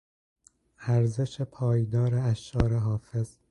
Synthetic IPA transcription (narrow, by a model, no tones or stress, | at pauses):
æɾze̞ʃepʰɒːjd̪ɒːɾeæʃɒːɾeɦɒːfe̞z̥